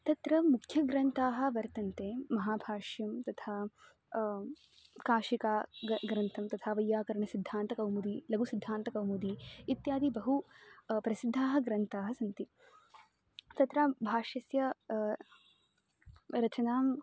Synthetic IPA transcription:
t̪ɐt̪ɾɐmukʰjɐɡɾɐnt̪aːɦɐ̆ʋɐɾt̪ɐnt̪eːmɐɦaːbʱaːʂjɐmt̪ɐt̪ʰaː | kaːʃikaːɡɾɐnt̪ʰɐmt̪ɐt̪ʰaːʋɐjːaːkɐɾɐɳɐsid̪ʱːaːnt̪ɐkɐwmud̪ilɐɡusid̪ʱːaːnt̪ɐkɐwmud̪iit̪jaːd̪ibɐɦupɾɐsid̪ʱːaːɦɐɡɾɐnt̪aːɦɐsɐnt̪i | t̪ɐt̪ɾaːbʱaːʂjɐsjɐ | ɾɐt͡ʃɐnaːm

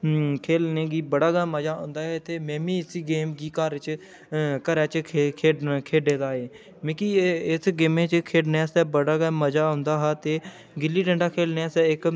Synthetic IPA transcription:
kʰeːlneːɡiːbəɽaːɡaːməd͡ʒaːɦʊ̰̃ːnd̪aːɦɛːt̪eːmɛ̃ːmĩːɪsiːɡeːmɡiːkaɾɪt͡ʃ | kəɾɛːt͡ʃʰkʰeːkʰeːɖeːd̪aːɦeː | mẽːkiːɪsɡeːmẽːt͡ʃkʰeːɖneːsɛːbəɽaːɡaːməd͡ʒaːɦʊ̃nd̪aːɦaːt̪eː | ɡɪlːiːʈə̃ɳɖaːkʰeːlneːsɛːɪk

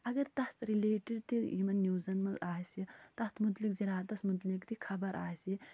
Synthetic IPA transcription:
ɐɡɐɾt̪ɐst̪ɾileːʈiɖt̪iḭmɐnːjuːzɐnmɐlaːsit̪ɐst̪mut̪likziɾaːt̪ɐsmut̪likt̪ikʰɐbɐɾʔa̰ːsi

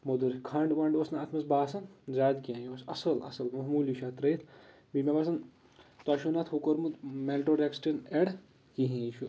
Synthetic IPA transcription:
mod̪uɾkʰaɳɖʋɐɳɖoːsnaːt̪ʰmɐsbaːsɐnzaːd̪kiãːjoːsɐ̰sɐlɐ̰sɐlmɐɦmuːliʃat̪ɾɐit̪ʰ | bimʲebas̬ɐn | t̪aːʃunɐt̪ʰhokoɾmut̪melʈoɾeksʈɐneɽ | kiɦĩt͡ʃʰu

